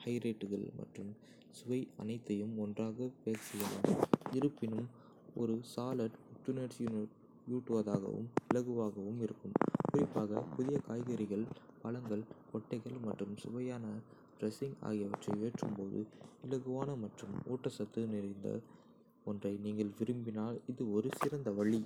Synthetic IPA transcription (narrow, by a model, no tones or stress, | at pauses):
hɐɪɾɐːʈːɯɣɐ̰ɭmʔɐ̰ʈrɯm | sʊʋɐɪɐ̰nɐɪt̪ːɐjɯmɔndraːɣɐpeːɾsɛjːɐlaːmɪɾɯpːɪnɯm | ɔ̰ɾɯsaːlɐʈʊʈ̪ːuneʈs | juːʈːɯʋɐðaːɣɐ̰ʋɯ̰mɪlɐɣɯʋaːɣɐʋɯmɪɾɯkːɯmpʊɾɪpːaːɣɐ̰pʊðɪjɐkaːjɣɐɾɪɣɐɭpɐlɐŋɡɐɭkɔʈːɐɪɣɐɭmɐʈːrɯmsʊʋɐjaːnɐ | ɖɾɛsɪŋɡa̰ːɣɪjɐʋɐ̰ʈrɐɪeːʈrɯmpoːðɯ̰ɪlɐɣɯʋaːnɐmɐʈrɯmo̰ːʈːɐsɐt̪ːɯnɪɾɐɪnd̪ɐ̰ | ɔndrɐɪniːŋɡɐɭʋɪɾɯmbɪnaːlɪðɯɔɾɯsɪɾɐnd̪ɐʋɐɭːi